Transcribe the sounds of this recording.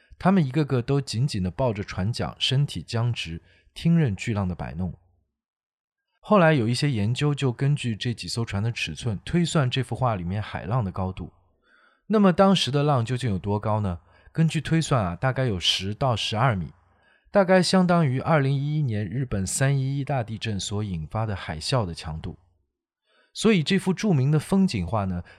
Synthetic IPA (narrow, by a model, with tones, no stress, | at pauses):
t̪ʰa˥mə˨ni˧˥ɡə˧kɤ˥˩t̪o˥ʊt͡ɕi˧˥nt͡ɕi˨˩nd̪ə˦pɑ˥˩ʊʈ͡ʂə˩ʈ͡ʂʰwa˧˥nt͡ɕjɑ̰˨˩ŋʂə˥nt̪ʰi˨˩t͡ɕjɑ˥ŋʈ͡ʂɻ̩˧˥ | t̪ʰi˥ŋɻə˥˧nt͡ɕy˥˧lɑ˥˩ŋd̪ə˩pa̰˨˩ɪnʊ˥˩ŋ | xo˥˩ʊla˧˥ɪjo˨˩ʊi˥˩ɕjɛ˥jɛ˧˥nt͡ɕjo˥ʊt͡ɕjo˥˩ʊkə˥nt͡ɕy˥˧ʈ͡ʂɤ˥˩t͡ɕi˨˩so˥ʊʈ͡ʂʰwa˧˥nd̪ə˨˧ʈ͡ʂʰɻ̩˨˩t͡sʰwə˥˩nt̪ʰwe˥ɪswa˥˧nʈ͡ʂɤ˥˧fu˥˧xwa˥˩li˨˩mjɛ˥˩nxa˨˩ɪlɑ˥˩ŋd̪ə˩kɑ˥ʊt̪ṵ˥˩ | na˥˩mə˩t̪ɑ˥ŋʂɻ̩˧˥d̪ə˧lɑ˥˧ŋt͡ɕjo˥˧ʊt͡ɕi˥˩jo˨˩t̪wɔ˥kɑ˥ʊnə˩ | kə˥nt͡ɕy˥˩t̪ʰwe˥ɪswa˥˩nɐ˩t̪a˥˧ka˥˩ɪjo˨˩ʊʂɻ̩˧˥t̪ɑ˥˩ʊʂɻ̩˧˥ɐ˞˥˩mḭ˨˩˦ | t̪a˥˧˩ka˥˧ɪɕjɑ˥ŋt̪ɑ˥ŋy˧˥ʔɐ˞˥˩li˧˥ŋi˥i˥njɛ˧˥nɻɻ̩˥˩pə˨˩nsa˥ni˥i˥t̪a˥˧t̪i˥˧ʈ͡ʂə˥˩nswɔ˧˥i˨˩nfa˥d̪ə˨xa˨˩ɪɕjɑ˥˩ʊd̪ə˩t͡ɕʰjɑ˧˥ŋt̪u˥˩ | swɔ˧˥i˨˩ʈ͡ʂɤ˥˧fu˥˧ʈ͡ʂu˥˩mi˧˥ŋd̪ə˧fɤ˥ŋt͡ɕi˨˩nxwa˥˩nə˩